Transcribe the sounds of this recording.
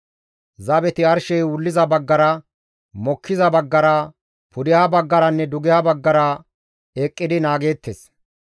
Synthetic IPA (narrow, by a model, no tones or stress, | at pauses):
zɐbɛt̪ɪɐɾʃɛjwʊlːɪzɐbɐɡːɐɾɐ | mɔkʰːɪzɐbɐɡːɐɾɐ | pʊd̪ɪhɐbɐɡːɐɾɐnːɛd̪ʊɡɪhɐbɐɡːɐɾɐ | eːkʼːɪd̪ɪnaːɡe̞ːt̪ːes